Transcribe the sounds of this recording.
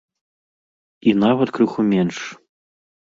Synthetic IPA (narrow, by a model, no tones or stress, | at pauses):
inavɐt̪kɾɨxumʲɛnʂ